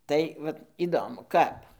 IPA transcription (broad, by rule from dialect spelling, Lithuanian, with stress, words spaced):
ˈtɐɪ ʋɐt iːˈdoːmʊ ˈkɐp